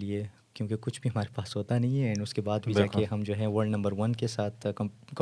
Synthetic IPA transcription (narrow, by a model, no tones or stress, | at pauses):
lie | kjõːkekʊt͡ʃʰbʱiɦɐmaːɾepaːsɦoːt̪anɐɦĩɦɛɛ̃ɳʊskebaːd̪bʱiaːkeɦɐmd͡ʒoːɦɛ̃ʋəɾɖnɐ̃mbəɾʋɐnkesaːt̪ʰkk